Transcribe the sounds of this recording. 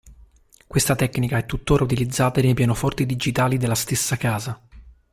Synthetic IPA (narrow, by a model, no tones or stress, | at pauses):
kwest̪at̪ɛkːnikaɛt̪ːut̪ːoːɾʔaut̪̬ilid̪zːaːt̪aɾepjɛːnofɔrt̪id̪id͡ʒit̪aːlid̪elːast̪esːakaːza